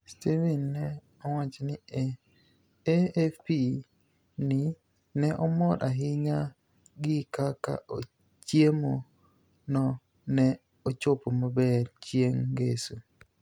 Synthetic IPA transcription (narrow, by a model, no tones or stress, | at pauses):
stivinːɛ | ɔwat͡ʃiniɛ | eefi | ni | nɛʔɔmɔɗaɦiɲa | ɡikaka̰ʔo | t͡ʃiemɔ | nɔ | nɛ | ɔt͡ʃopːɔmɔbɛɾt͡ʃieŋɡesu